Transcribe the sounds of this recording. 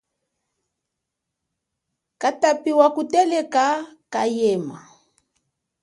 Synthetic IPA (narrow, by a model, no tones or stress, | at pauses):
katapiwakutɛlɛkakajɛma̰